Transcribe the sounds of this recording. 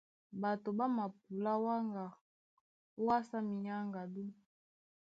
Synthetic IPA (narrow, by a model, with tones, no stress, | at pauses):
ba˨to˨ba˦ma˨p̚u˨la˦wa˦ŋɡa˨ | o˦wa˦sa˦mi˨ɲa˦ŋɡa˨du˦